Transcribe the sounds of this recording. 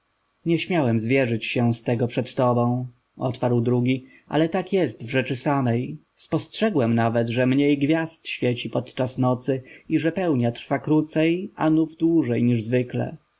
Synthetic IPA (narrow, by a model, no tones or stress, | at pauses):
ɲɛɕmʲjawɛmzvʲjɛʐɘt͡ɕɕɛst̪ɛɡɔpʂɛt̪t̪ɔbɔ̃w̃ | ʔɔ̰t̪paɾwd̪ɾuɡʲi | ʔa̰lɛt̪akjɛst̪vʐɛt͡ʂɘsamɛj | spɔstʂɛɡwɛmnavɛd̪ʐɛmɲejɡvʲjast̪ɕfʲjɛt͡ɕipɔt̪t͡ʂasnɔt̪sɘiʐɛpɛwɲat̪ɾfakɾut̪sɛja̰nuvd̪wuʐɛjɲiʐzvɘklɛ̰